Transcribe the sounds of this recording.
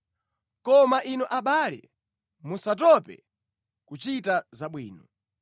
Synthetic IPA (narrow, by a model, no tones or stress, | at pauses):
kɔmaʔinuʔaɓalɛ̰ | musat̬ɔpɛ̰ | kut͡ʃitazaɓwiːnɔ